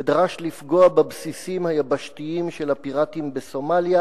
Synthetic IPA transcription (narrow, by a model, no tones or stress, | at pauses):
edʁaʃlifɡo̞ababsisimhajabaʃtiimʃelapiʁatimbeso̞malja